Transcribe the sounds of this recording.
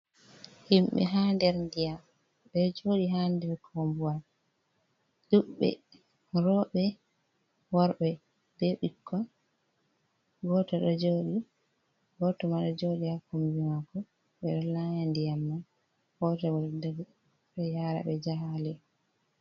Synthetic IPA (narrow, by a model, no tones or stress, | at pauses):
himɓɛ̰ɦandɛɾndijam | ɓɛɗd͡ʒoɗiɦandɛɾkʰombual | ɗuɓːɛ̰ | ɾɔɓɛ | wɔɾɓɛ | d̥ɛɓikːɔn | ɡɔtaɗɔd͡ʒoːɗi | ɡɔtɔmaɗɔd͡ʒoɗihakumbimakːɔ | ɓɛɗɔlajandijamːa | hɔtawɔldaɡ | ɓɛjaːɾa̰ɓɛd͡ʒaɦalɛ